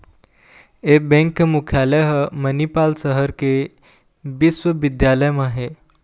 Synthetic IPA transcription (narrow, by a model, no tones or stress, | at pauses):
ebɛ̃ŋkːmukʰjaleɦmənipaːlsəɦəɾke | biswəʋɪd̪jaləjmãɦe